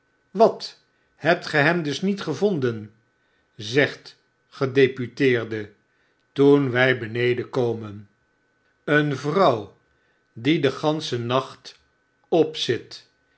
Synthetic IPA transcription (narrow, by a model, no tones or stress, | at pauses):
ʋɑt | hɛp̚tχəɦɛmdɵsnitχəvondən | zɛχt | χədejpytɪːrdə | tunʋɛjbənejdəkowmən | ənvrɑw | didəχɑnsənɑχt | ɔpsɪt